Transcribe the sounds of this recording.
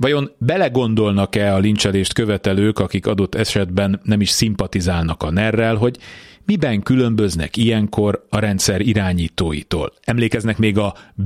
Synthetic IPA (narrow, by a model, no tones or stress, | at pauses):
vɒjo̞mbɛlɛɡo̞nd̪o̞lnɒkɛɒlint͡ʃɛleːʃt̪kø̞vɛt̪ɛløːkɒkikɒd̪o̞t̪ːɛʃɛd̪bɛnːɛmiʃsimpɒt̪izaːlnɒkɒnɛrːɛlɦo̞ɟmibɛŋkylø̞mbø̞znɛ̰kijɛŋko̞ɾɒɾɛnt̪sɛɾiɾaːɲiːt̪oːjḭt̪o̰ːlɛmleːkɛznɛkmeːɡɒ